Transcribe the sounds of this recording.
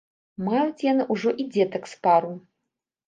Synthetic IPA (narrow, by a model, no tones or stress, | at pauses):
majut͡sʲjanɨʔuʐɔʔid͡zʲɛt̪ɐkspaɾu